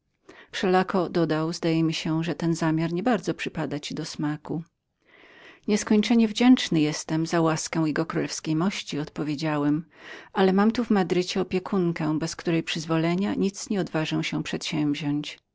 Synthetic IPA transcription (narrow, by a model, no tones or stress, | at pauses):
fʂɛlakɔd̪ɔd̪awzd̪ajɛmʲiɕɛʐɛt̪ɛnzamʲjaɾɲɛbaɾd̪zɔpʂɘpad̪at͡ɕid̪ɔsmaku | ɲɛskɔɲt͡ʂɛɲɛvd͡ʑɛnt͡ʂnɘjɛst̪ɛmzawaskɛ̃w̃jɛɡɔkɾulɛfskʲejmɔɕt͡ɕiɔt̪pɔvʲjed͡ʑawɛmʔalɛmamt̪uvmad̪ɾɘt͡ɕɛɔpʲjɛkʰuŋkɛbɛskt̪uɾɛjpʂɘzvɔlɛɲaɲit̪sɲɛɔd̪vaʐɛw̃ɕɛ̃pʂɛt̪ɕɛ̃vʑɔɲt͡ɕ